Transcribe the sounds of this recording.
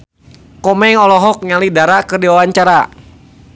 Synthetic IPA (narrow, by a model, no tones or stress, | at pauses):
kɔmɛŋɔlɔɦɔk̚ɲalidaɾakərdiwawaɲt͡ʃaɾa